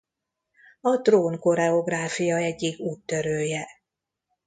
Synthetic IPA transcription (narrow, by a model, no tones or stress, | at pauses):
ɒt̪roːnko̞ɾɛo̞ɡraːfijɒɛɟːiɡuːt̪ːø̞ɾøːjɛ